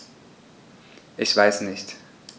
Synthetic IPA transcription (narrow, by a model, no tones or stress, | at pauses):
ʔɪçv̥aɪsnɪçt